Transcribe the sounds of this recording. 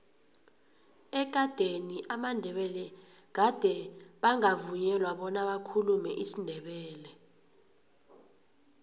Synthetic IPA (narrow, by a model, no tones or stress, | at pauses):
ɛɡ̥̬ʼʱad̥ʱeniʔamandʱɛɓɛlɛkad̥ʱɛɓaŋavuɲɛlwaɓɔnaɓakʰulumɛʔisindʱɛɓɛːlɛ